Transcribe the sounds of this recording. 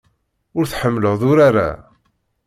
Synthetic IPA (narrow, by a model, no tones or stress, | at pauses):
ʊɾθħəmːləʁðʊɾaɾa̰